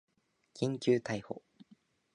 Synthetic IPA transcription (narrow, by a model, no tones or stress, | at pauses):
kʰʲĩŋkʲɨːt̪aiho̰